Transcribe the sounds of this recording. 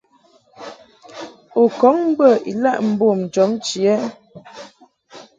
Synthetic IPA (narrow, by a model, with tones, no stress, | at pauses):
o˨kɔ˨˦ŋm˦bə˦˨ḭ˨la˦ʔm̩˦bo˦˨m̩˨d͡ʒɔ˨˦mt͡ʃi˨ɛ˦